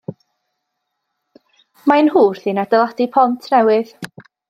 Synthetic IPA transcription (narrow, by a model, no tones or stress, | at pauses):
maɨnɦuːrθinadəlˠadipʰɔntʰnɛwɨð